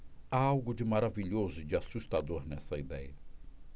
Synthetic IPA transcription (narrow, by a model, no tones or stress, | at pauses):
aawɡʊd͡ʒɪmaɾaviʎozʊd͡ʒɪasust̪ad̪oɾnɛsɐid̪ɛjɐ